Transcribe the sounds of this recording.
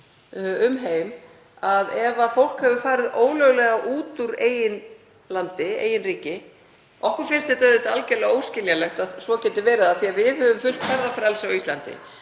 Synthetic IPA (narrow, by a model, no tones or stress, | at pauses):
ʏmɦeːjm | aðɛvafowl̥khɛvʏfaːɾɪðʔoːwlœɣlɛɣaʔuːt̪uɾeːjɪn | lant̪ɪḛːjɪnriːcɪ | ʔɔhkʏɾfɪnst̪ɪt̪œðɪt̪alcɛlaoːwscɪljalɛxt̪aðsvɔcɛnt̪ɪvɛːɾɪðaθiavɪðhœvʏmfʏl̥k̪fɛɾðafɾalsawist̪lant̪ɪ̰